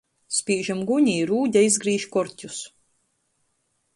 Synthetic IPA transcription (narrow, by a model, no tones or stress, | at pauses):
spʲiːʒamɡuɲiːɾuːɟʲaizɡɾiːʃkɔɾtʲus